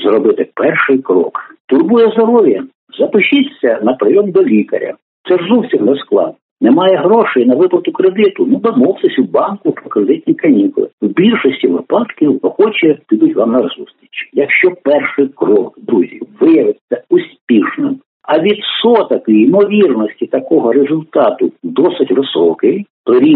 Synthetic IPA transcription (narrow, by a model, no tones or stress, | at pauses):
zrɔbɪt̪ɪpɛrʃɪjkɾɔ̰kt̪ʊrbujɛzd̪ɔɾɔʋʲjɐ | zɐpɪʃɪt̪t͡sʲːɐnɐpɾɔjɔmd̪ɔlʲikɐ̰ɾʲɐ̰ | t̪sɛʐzusʲt̪ʲimnɛsklˠɑ̰d̪nɔnemɑjɛɦɾɔʃɛjinɐʋɪplˠɐt̪ʊkɾed̪ɪt̪ʊnud̪ɔmɔwt̪ɪsʲwbɑnkʊpɾɔkɾed̪ɪt̪ʲnʲikɐnʲikʊlˠɪ̰wbʲilʲʃɔsʲtʲiʋɪpɑd̪kɪwɔxɔt͡ʃɛkʲɪd̪ʊtʲʋɑmnɐzust̪ʲɾʲit͡ʃijɐkʃt͡ʃɔpɛrʃɪjkrɔkd̪ɾuzʲḭʋɪjɐʋɪt͡sʲːɐʊsʲpʲiʃnɪm | ɐʋʲid̪sɔt̪ɐkiimɔʋʲirnɔsʲtʲit̪ɐkɔɦɔɾezʊlʲt̪ɑt̪ʊd̪ɔsɪtʲʋɪsɔkɪjpɾɪɾʲi